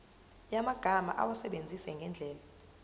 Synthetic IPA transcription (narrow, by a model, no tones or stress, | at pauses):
jamaɡ̥ʱama̰ʔa̰wasɛɓend͡zʱisɛŋɡʱɛnd͡ɮʱɛːla